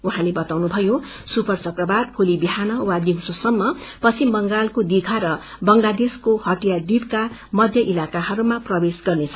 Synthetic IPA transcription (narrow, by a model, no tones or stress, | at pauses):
uɦãlebʌt̪awnubʱʌjo | supʌrt͡sʌkrʌbarpʰulibiɦanʌwad̪imsosʌmːʌpʌt͡sʰimbʌŋɡalkod̪iɡʱaɾʌ | bʌŋlad̪eskohʌʈijad̪ibkamʌd̪ʱjʌʔilakaɦʌɾumaprʌbesɡʌrnet͡sʰʌ̥